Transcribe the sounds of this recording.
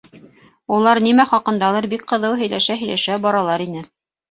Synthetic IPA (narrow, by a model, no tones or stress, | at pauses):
ulˠɑɾnimæχɑqɤ̆nd̪ɑlˠɑɾbikqɤ̆ðɤwɦɵ̆jlæʃæɦɵ̆jlæʃæbɒɾɑlˠɑɾinɘ